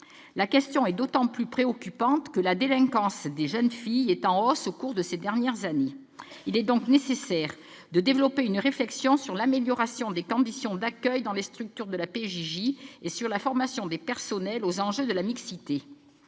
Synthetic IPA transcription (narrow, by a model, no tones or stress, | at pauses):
lakʲɛst̪jɔ̃ɛd̪ot̪ɑ̃plypχeɔkʲypɑ̃t̪kəlad̪elɛ̃kɑ̃sd̪eʒœnfijɛt̪ɑ̃ɔsokuʁd̪əsed̪ɛʁnjɛʁzane | ilɛd̪ɔ̃knesesɛʁ | d̪əd̪evlɔpeynʁeflɛksjɔ̃syʁlameljɔʁasjɔ̃d̪ekɔ̃d̪isjɔ̃d̪akʲœjd̪ɑ̃lest̪χyk̚t̪yʁd̪əlapeʒiʒiesyʁlafɔʁmasjɔ̃d̪epɛʁsɔnɛlozɑ̃ʒød̪əlamiksit̪e